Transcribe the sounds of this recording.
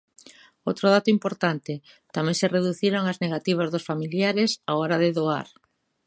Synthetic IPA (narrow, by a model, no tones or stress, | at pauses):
owt̪ɾoð̞at̪ʊimpoɾt̪ant̪ɪ | t̪amɛ̃ŋsereðuθiɾoŋazneɣat̪iβazðʊsfamiljaɾɪsaɔɾaðeðoa̰ɾ